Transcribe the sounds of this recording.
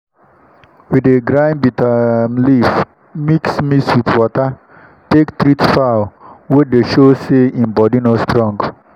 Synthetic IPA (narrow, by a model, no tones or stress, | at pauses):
wideɡɹãɪ̃nbitʰamlif | miksmiswiðwɔtə | tektɹitfaʊwedeʃoseĩnbɔdinostɹɔ̃ŋɡ